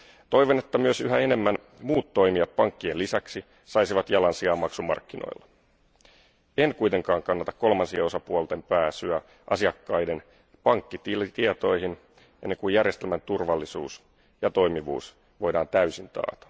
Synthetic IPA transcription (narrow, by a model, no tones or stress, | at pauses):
t̪o̞jʋo̞ne̞t̪ːæmyøsyɦæe̞ne̞mːæn | muːt̪ːo̞jmiɑt̪̚pɑŋkːienlːisæksi | sɑjsiʋɑt̪jɑlɑnsiɑːmːɑksumɑ̰rkːino̞̰jlːɑ | e̞nkujt̪e̞ŋkɑːŋkɑnːɑt̪ɑkkːo̞lmɑnsieo̞sɑpuolt̪e̞mpæːsyæ | ʔɑsiɑkːɑjde̞n | pɑŋkːit̪it̪iet̪o̞jhin | ʔenːe̞ŋkujjærjest̪elmænt̪urʋɑlːisuːs | jɑt̪o̞jmiʋṵːs | ʋo̞jdɑːnt̪æysint̪ɑ̰ːt̪ɑ̥